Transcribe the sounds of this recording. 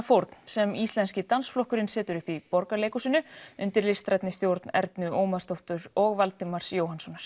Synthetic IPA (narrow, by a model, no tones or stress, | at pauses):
fowɾt̪n̥sɛmist̪lɛnscɪt̪ansflɔhkʏɾɪnsɛːt̪ʏɾʏhpipɔɾkaleːjkusɪnːʏʏnt̪ɪɾlɪst̪ɾajt̪nɪst̪jowɾt̪nɛ̰ɾt̪nʏoːwmaðst̪oht̪ʏɾɔɣvalt̪ɪmaɾ̥sjoːwhansɔnːaɾ̥